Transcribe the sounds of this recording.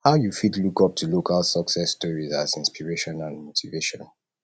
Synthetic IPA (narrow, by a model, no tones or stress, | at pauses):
haʊjufitlukɔp̚tʰulokʰalˠsɔksɛstɔɹizazĩnspiɹeʃɔ̃nãnmotʰiveʃɔ̃n